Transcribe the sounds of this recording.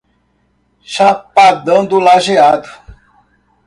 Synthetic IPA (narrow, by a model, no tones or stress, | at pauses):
ʃapad̪ɐ̃d̪ʊlaʒead̪ʊ